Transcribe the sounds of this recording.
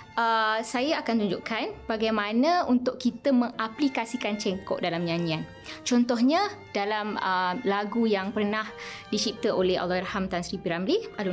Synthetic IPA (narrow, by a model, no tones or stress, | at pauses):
ʔəsajaakant̪uɲd͡ʒuʔkanbaɡajmãnə̃unt̪ʊʔkit̪əmə̃ŋaplikasikant͡ʃɛŋkɔ̰ʔdalamɲanian | t͡ʃɔnt̪ɔhɲəd̥alamlaɡujaŋpərnahdit͡ʃip̚t̪əʔolɛha̰lːɔiɾhamt̪ansɾipiɾamlial